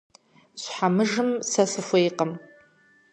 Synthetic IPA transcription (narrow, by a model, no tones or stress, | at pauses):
ɕʷħamɨʐɨmsɐsɨfʷejqəm